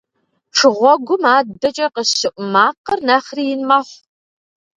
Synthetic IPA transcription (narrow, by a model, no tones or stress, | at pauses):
ʈ͡ʂʰɨʁʷɔɡʷʊmaːbɐt͡ʃʼɐqəɕɨʔʷʊmaːqərnɐχrijɪnmaːχʷ